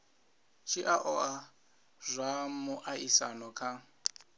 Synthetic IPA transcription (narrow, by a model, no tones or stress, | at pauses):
t͡ʃʰiʔaʔɔa | zʷamʊʔaisanɔkʰa